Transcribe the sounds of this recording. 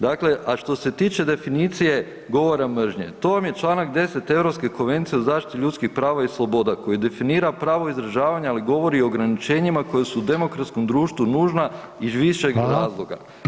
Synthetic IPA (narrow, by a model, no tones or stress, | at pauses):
d̪akle̞ʔaʃt̪o̞se̞t̪iːt͡ʃe̞d̪e̞finit̪sije̞ | ɡo̞ʋo̞ɾamr̩ʒɲet̪o̞ʋamjet͡ʃlˠaːnakd̪e̞se̞t̪e̞ʋɾopske̞ko̞nʋe̞nt̪sijeozaːʃt̪i̥t̪iʎut̪kixpɾaːʋaislˠo̞bo̞d̪ako̞jid̪e̞finiːɾapɾaːʋo̞izɾaʒaːʋaɲaaliɡo̞ʋo̞ɾioːɡɾanit͡ʃe̞ɲimako̞jesuːd̪e̞mo̞kɾat̪sko̞md̪ɾuːʃt̪ʋunuːʒna | izʋiʃeɡɾaːzlˠo̞ɡa̰